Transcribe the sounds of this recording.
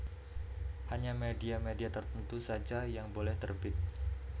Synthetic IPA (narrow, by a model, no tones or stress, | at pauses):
haɲamediamediat̪ərt̪ənt̪usad͡ʒajaŋbolɛht̪ərbɪt̪̚